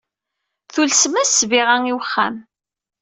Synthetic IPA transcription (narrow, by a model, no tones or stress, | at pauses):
θulsmæsviʁaŋiwəχːæ̰m